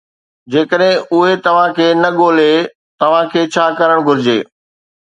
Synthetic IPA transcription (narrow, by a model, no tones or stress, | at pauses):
d͡ʑeːkəɗɦɪ̃ʊɦet̪ɐʋ̤ãkʰeːnɐɠoːle | t̪ɐʋ̤ãkʰeːt͡ɕʰaːkɐɾəɽ̃ɡʱʊɾɪd͡ʑḛː